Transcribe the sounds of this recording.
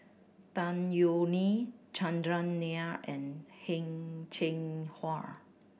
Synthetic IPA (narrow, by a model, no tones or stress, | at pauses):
t̪ãnjonit͡ʃãndɹãnːeaʔɛ̃nhɛ̃ŋt͡ʃʰẽŋhaɹ